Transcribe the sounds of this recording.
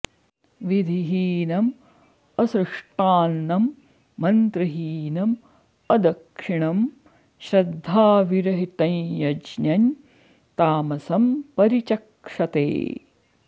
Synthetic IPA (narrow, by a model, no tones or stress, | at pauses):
ʋid̪ʱiɦiːnɐm | ɐsɾɨʂʈaːnːɐmː | ɐnt̪ɾɨɦiːnɐm | ɐd̪ɐkʂiɳɐm | ʃɾɐd̪ʱːaːʋiɾɐɦit̪ɐ̃njɐd͡ʒnɐɲ | t̪aːmɐsɐmpɐɾit͡ʃɐk | ʂɐt̪ḛː